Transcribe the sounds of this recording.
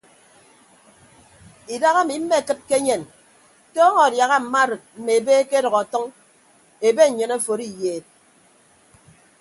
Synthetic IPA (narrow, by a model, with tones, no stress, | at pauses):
i˨da˦ɣa˦mi˨m̩˦me˦˨kɨ˦t̚ke˦ɲe˨n | tɔ˦ŋɔ˨dja˨ɣa˦m̩˨ma˦ɾɨ˨t̚m̩˨me˨e˨beː˦ke˦ɾɔ˨ɣɔ˨tɔ˦ŋ | e˨be˦˨ɲɨ˨ne˦˨fo˨ɾi˦jeː˨t̚